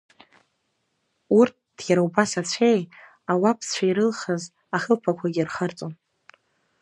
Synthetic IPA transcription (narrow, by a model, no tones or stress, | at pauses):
urt̚ʰd̥jaɾawbasat͡ɕʷʰe̞j | awapʰst͡ɕʷʰaiɾɨlχəz | aχəlpʰakʷʰaɡʲirχart͡sʼon